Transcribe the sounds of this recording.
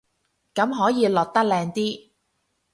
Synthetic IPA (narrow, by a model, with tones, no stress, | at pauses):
kɐ˨˥mɦɔː˨˥jiː˨˧lɔː˨˩t̚t̪ɐ˥k̚lɛː˧ŋt̪iː˥